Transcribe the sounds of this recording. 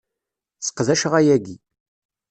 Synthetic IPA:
θə̥qðæʃəʁæjæɡi

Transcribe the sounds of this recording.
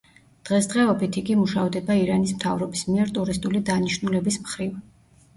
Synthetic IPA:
d̪̥ʁɛsd̪ʁɛɔbit̪ʰiɡimuʃavd̪ɛbaiɾanismt̪ʰavɾɔbismiɛɾt̪ʼuɾist̪ʼulid̪aniʃnulɛbismχɾiv

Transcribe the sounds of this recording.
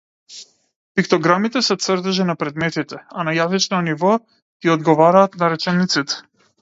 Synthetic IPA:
pikt̪ɔɡɾamit̪ɛsɛt̪səɾd̪ɛʒɛnapɾɛd̪mɛt̪it̪ɛanajazit͡ʃnɔnivɔ | ɡ̥iɔd̪ɡɔvaɾaːt̪naɾɛt͡ʃɛnit̪sit̪ɛ̥

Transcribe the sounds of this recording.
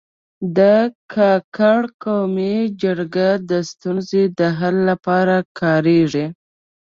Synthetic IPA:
d̪əkʰɑkaɽkowmid͡ʒaɾɡad̪əst̪unzed̪əɦalːapɑɾakʰɑɾeʐi

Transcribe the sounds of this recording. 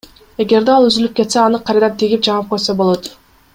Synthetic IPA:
e̞ɡe̞ɾd̪eɑlˠyzylyp̚ke̞t̪seɑnɯqʰɑjɾɑd̪ɑnt̪ʰiɡʲip̚d͡ʒɑɴɑp̚qojsobolˠo̞t̪

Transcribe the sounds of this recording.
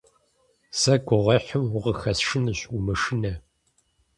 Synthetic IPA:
sɐɡʷʊʁɐħʊmwʊʁəxɐsʂɨnɨɕʷʊmɨʂɨnɐ

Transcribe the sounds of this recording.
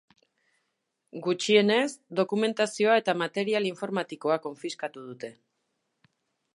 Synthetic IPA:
ɡut͡ʃie̞ne̞zd̪o̞kume̞nt̪asio̞ae̞t̪amat̪e̞ɾialiɱfo̞ɾmat̪iko̞ako̞ɱfiskat̪uð̞ut̪e̞

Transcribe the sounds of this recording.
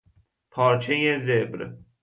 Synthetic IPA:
pʰɒːɾt͡ʃʰejezebɾ

